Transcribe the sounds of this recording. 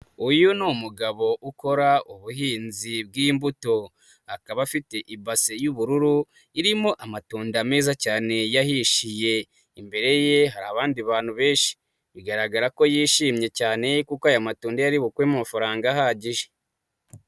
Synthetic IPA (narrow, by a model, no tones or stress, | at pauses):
ujunumuɡaβo̞ʔuko̞ɾaʔuβuɦiːnzib̚ɡiːmbuto̞ | akaβafite̞ʔibasejuβuɾuɾu | iɾimo̞ʔamatuːndame̞ːzacaːne̞jahiʃije̞ | imbe̞ɾe̞je̞ɦaɾaːβaːndiβaːn̥huβe̞ːnʃi̥ | βiɡaɾaɡaɾako̞jiːʃiːmɲe̞caːne̞kukoajamatuːndajaɾiβukwemumafaɾaːŋɡaɦaːɟiʒe